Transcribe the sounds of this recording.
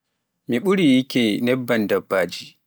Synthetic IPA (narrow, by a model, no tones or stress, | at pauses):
miɓuɾijikɛnɛbːandabːaːd͡ʒi